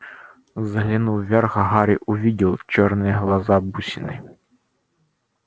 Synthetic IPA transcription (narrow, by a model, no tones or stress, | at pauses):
zɐɦlʲinuʋʲɛrɣɐɦaɾʲiʔʊvʲidʲilˠt͡ɕɔrnɨjɛɦlˠɐzabusʲɪnɨ